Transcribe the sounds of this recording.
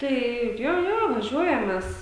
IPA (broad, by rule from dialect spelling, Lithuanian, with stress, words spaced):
ˈtɐɪ ˈjoː ˈjoː ʋɐˈʒʲuɔjɛm ˈmʲɛs